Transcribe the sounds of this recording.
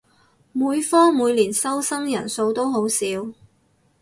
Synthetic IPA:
muː˨˧jfɔː˥ŋmuː˨˧jliː˨˩nsɐ˥wsɐ˥ŋjɐ˨˩nso˧wt̪o˥wɦo˨˥wsiː˨˧w

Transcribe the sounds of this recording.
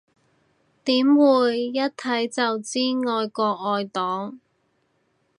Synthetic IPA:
t̪iː˨˥mwuː˨˧jːɐ˥t̚t̪ʰɐ˨˥jt͡sɐ˨wt͡siː˥ŋɔː˧jkɔː˧k̚ɔː˧jt̪ɔː˨˥ŋ

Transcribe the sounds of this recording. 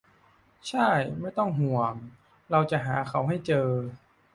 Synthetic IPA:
t͡ɕʰa˥˩jma˥˩jt̪ɔ˥˩ŋɦu˨˩əŋ | ɾa˧wt͡ɕa˨˩ʔɦaː˩˦kʰa˧˩wɦa˥˩jt͡ɕɤː˧

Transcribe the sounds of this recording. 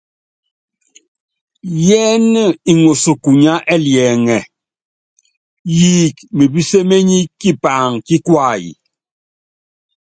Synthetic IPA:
jɛ˦n˦˨i˨ŋo˨so˨ku˨ɲa˦ʔɛ˦ljɛː˨ŋɛ˨ | jiː˦kmi˨bi˦se˦me˦ɲi˦kːi˦pa˨ŋki˦kwa˦˨jḭ˨

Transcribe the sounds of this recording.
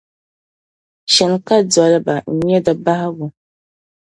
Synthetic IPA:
ʃɛ˨nka˦d͡zɔ˨lba˨n̩˨ɲɛ˦da˨ba˦ha˦ɡʊ˨

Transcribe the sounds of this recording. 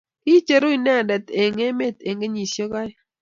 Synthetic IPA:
i˦t͡ʃe˨ɾo˦i˨nɛ˦˨ndɛ˨t̪e˨ŋe˦me˦˨t̪e˨ŋɡe˦ɲi˨sjo˦ka˦j

